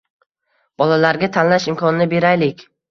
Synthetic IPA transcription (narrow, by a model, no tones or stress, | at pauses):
b̥ɒlalaɾɡʲat̪ʰanlaʃɪmkʰɒnɪnɪbe̞ɾajlɪkʲ